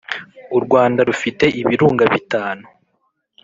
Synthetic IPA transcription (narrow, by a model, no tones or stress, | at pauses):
uɾɡwaːndaɾufite̞ʔiβiɾuːŋɡaβitaːnu